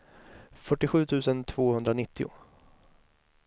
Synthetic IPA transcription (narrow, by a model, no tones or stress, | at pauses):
fœʈːɪɧʉ̟ːt̪ʰʉ̟ːsənt̪ʰv̥oːhɵnd̪ɾanɪt̪ʰːɪʊ̰